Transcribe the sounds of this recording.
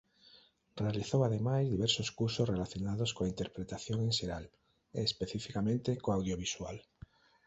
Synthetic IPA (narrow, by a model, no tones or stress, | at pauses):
realiθowaðemajzðiβeɾsoskuɾsosre̞laθjo̞nað̞oskoaint̪eɾpɾet̪aθjo̞ŋẽ̞nʃeɾal | ḛːspe̞θifikamẽnt̪ekoawðjoβ̞iswal